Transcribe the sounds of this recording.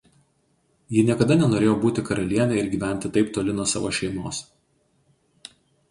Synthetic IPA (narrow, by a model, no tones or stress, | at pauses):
jɪnʲiɛkɐd̪ɐnʲɛnoːɾʲeːjoːbuːt̪ʲɪkɐɾɐlʲiɛnʲɛɪɾɡʲiːʋʲæˑnʲt̪ʲɪt̪ɐɪpt̪oːlʲɪnuɔsɑ̰ʋo̰ːʃʲɛɪmoːs